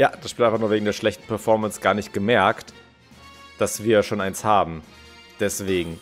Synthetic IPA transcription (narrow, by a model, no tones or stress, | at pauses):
jaːd̥asʃpiːltaɪfaχnuːɐveːɡŋ̩deːɐʃlɛçtn̩pʰɛɐfɔɐmɛnsɡ̥aːɐnɪçt̚ɡ̥əmɛɐkt | d̥asv̥iːɐʃoːnʔaɪnshaːbm̩ | d̥ɛsv̥eːɡŋ̩